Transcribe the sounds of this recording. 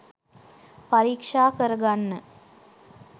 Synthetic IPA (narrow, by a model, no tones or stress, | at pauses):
pɐɾiːkʂaːkɐɾɐɡanːɨ